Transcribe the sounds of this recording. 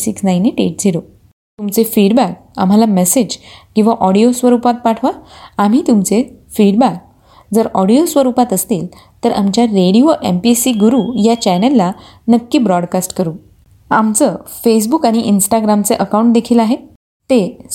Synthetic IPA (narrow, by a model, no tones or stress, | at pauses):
siksnajniʈḛʈ̚d͡zʱilo | t̪umt͡sefiɖbæk̚ | a̰m̤alamesed͡ʑkːĩw̃ʋaʔɔɽijosʋəɾupat̪̚paʈʰʋaam̤iːt̪umt͡sefiɽbak̚ | d͡zəɾɔɽijosʋəɾupat̪əst̪iːl | t̪əɾʔa̰mt͡ɕjaɾeɽioʔempisiɡuɾuːjat͡ɕɛnəlːa | nəkːiːbɾɔɽkasʈkəɾuː | amt͡səfes̬bukaɽ̃iʔinsʈaɡɾamt͡seʔəkauɳʈ̚d̪ekʰiːlaɦe | t̪e